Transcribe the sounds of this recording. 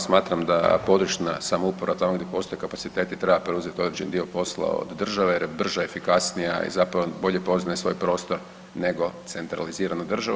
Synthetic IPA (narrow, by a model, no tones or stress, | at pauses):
smaːt̪ɾamd̪a̰po̞d̪ɾut͡ʃnasamoupoɾʔat̪amoɡdjepo̞st̪o̞jekapat̪sit̪e̞ːt̪it̪ɾe̞bapɾeuze̞t̪io̞d̪ɾed͡ʑend̪io̞po̞slˠa̰o̰d̪ːr̩ʒaʋejeɾjebr̩ʒoe̞fikasnija̰ḭzapɾaʋobo̞ʎe̞po̞znajesʋo̞ːjpɾo̞ːst̪o̞ɾ | ne̞ɡo̞t̪se̞nt̪ɾa̰liziːɾanod̪r̩ʒaʋ